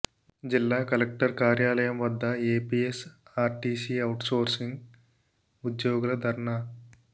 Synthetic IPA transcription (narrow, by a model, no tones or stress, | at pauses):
d͡ʒilːaːkɐlek̚ʈɐɾkaːɾjaːlɐjɐmʋɐd̪ːɐeːpiːesaːɾʈiːsiɐwʈsoːɾsiŋɡ | ud̪joːɡulɐd̪ʱɐɾɐɳa